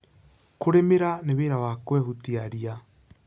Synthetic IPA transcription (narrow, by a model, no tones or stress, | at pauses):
koɾemeɾaneβeɾawakwɛhutiaɾia